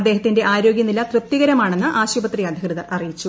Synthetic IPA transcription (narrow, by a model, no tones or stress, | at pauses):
ɐd̪ːe̞ːɦɐt̪ːinde̞ʔaːɾo̞ːɡjɐnilɐt̪rɨp̚t̪iɣɐɾɐmaːɳe̞nːɨʔaːɕubɐt̪rijɐd̪ʱikrɨðɐʔɐrijit͡ɕːu